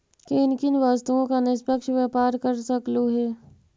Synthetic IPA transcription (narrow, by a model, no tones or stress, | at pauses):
keɪnkɪnʋaːst̪uõkanɪspəkʃʋjaːpaːɾkɐɾsɐkluɦɛː